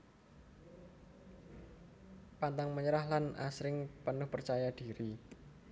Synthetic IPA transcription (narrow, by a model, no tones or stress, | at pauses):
pant̪aŋməɲəɾaɦlana̰sɾɪŋpənʊhpərt͡ʃajad̥i̤ɾi